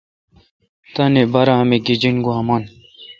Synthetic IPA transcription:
t̪ɐnebɐɾaːmeɡid͡ʑinɡuɦɐmɐn

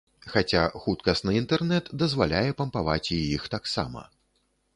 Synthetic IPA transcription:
xat͡sʲaxut̪kɐst̪nɨint̪ɛrnɛt̪d̪ɐzvalʲajɛpɐmpava̰t͡sʲijixt̪aksa̰mɐ̰

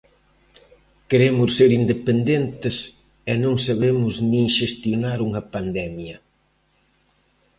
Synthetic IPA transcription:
keɾemʊsseɾind̪epend̪ent̪ɪs | ɛnõŋsaβemʊznĩŋʃest̪jonaɾuŋɐpand̪ɛmjɐ

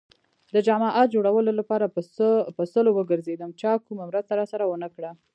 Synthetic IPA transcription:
d̪əd͡ʒɑmɑʔɑt̪̚d͡ʒoɽawəlolapɑɾapəsəlowəɡəɾzed̪əmt͡ʃɑkumamɾəzt̪aɾɑsaɾawənəkɽa

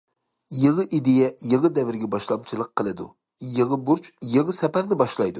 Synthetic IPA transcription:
jɨʁəʔid̪ejɛjəʁəd̪ɛvɪɾɡʲɛbɑʃlˠɑmt͡ʃʰilˠəqʰːəlˠɨd̪ṵ | jəʁəbuɾt͡ʃjəʁəsɛpæɾnɪbɑʃlˠɑjd̪u

